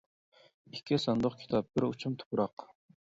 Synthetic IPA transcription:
ikʲʰːisɑnd̪ʊχkʲʰi̥t̪ʰɑp̚b̥ɪɾut͡ʃʰumt̪ʰʊ̥pɾɑq

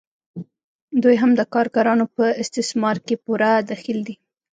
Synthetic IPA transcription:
d̪ujɦamd̪əkɑɾɡaɾɑnopəɪst̪ɪsmɑɾkepuɾad̪axild̪i

